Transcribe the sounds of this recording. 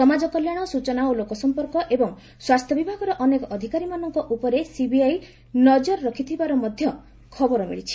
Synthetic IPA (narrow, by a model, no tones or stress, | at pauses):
sɔmad͡ʒɔkɔljaɽ̃ɔsut͡ʃɔnaolokɔsɔmpɔɾkɔʔebɔŋ | swast̪ʰjɔbibʱaɡɔɾɔʔɔnekɔʔɔd̪ʱikaɾimanɔŋkɔʔupɔɾesibiaj | nɔd͡ʒɔɾɾɔkʰit̪ʰibaɾɔmɔd̪ʱjɔ | kʰɔbɔɾɔmḭɭit͡ʃʰi̥